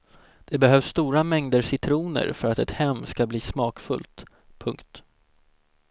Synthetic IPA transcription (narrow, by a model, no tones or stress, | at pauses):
d̪̥ɛbɛɦœvsːt̪uːɾamɛŋd̪əɾʂɪt̪ʰɾuːnə̰ɾfœɾat̪ɛt̪hɛmːskabliːsmɑːkfɵ̰lt̪ | pʰɵŋkt̪